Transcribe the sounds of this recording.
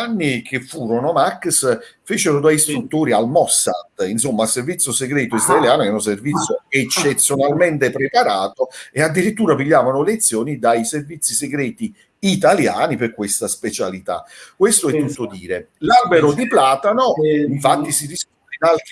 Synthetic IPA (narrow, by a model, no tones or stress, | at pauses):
anːikʰefːuːɾonomakːs | feːt͡ʃeɾod̪ajst̪ɾut̪ːoːɾialmɔsːa̰t̪ːinsomːalservit̪sːjoseɡɾɛːt̪oizɾaeljaːnokɛuns̬ervit̪sːjoet͡ʃːet̪sːjonalment̪epɾepaɾaːt̪oead̪ːiɾit̪ːuːɾapiʎːaːvanolet̪sːjoːnid̪ajservit̪sːiseɡɾɛːt̪i | it̪alja̰ːniperkwest̪aspet͡ʃalit̪a̰kwest̪oɛt̪ːuːt̪od̪iːɾe | labeɾod̪iplaːt̪anoiɱfat̪ːisid̪iskut̪enalt̪